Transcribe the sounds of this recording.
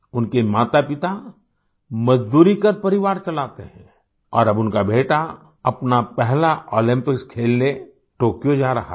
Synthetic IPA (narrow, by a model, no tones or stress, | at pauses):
ʊnkemaːt̪apɪt̪a | mɐzd̪uːɾikɐɾpɐɾɪʋaːɾt͡ʃɐlaːt̪eɦɛ̃ː | ɔːɾɐbʊnkabʱeːʈa | ɐpnapɛɦlaoːlɪ̃mpɪkskʰeːlne | ʈoːkjod͡ʒaːɾɐɦa̰